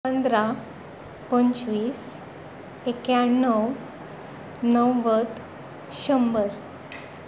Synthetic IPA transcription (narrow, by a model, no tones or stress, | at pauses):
pənd̪ɾa | pəɲt͡ɕʋiːs | ekjanəw | nəwʋət̪ | ɕəmbəɾ